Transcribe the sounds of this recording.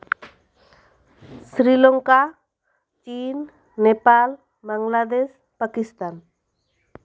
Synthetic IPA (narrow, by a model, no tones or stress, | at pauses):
sɾilɔŋka | t͡ʃinː | epal | baŋɡlad̪eʃ | pakist̪an